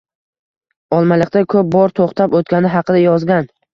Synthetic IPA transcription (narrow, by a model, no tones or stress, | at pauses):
ɒlˠmalɪq̚t̪akʰɵp̚bɒɾt̪ʰoχt̪ʰapot̪̚kʲanɪɦɑqʰɨd̪ajɒzɡʲan